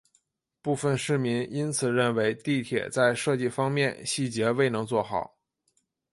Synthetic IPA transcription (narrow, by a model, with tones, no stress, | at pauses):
pu˥˧fə˥˧nʂɻ̩˥˩mi˧˥ni˥nt͡sʰɹ̩˨˩ɻə˥˩nwe˧˥ɪt̪i˥˩t̪ʰjɛ̰˨˩t͡sa˥˧ɪʂɤ˥˧t͡ɕi˥˩fɑ˥ŋmjɛ˥˧nɕi˥˩t͡ɕjɛ˧˥we˥˩ɪnɤ˧˥ŋt͡swɔ˥˩xɑ˨˩˦ʊ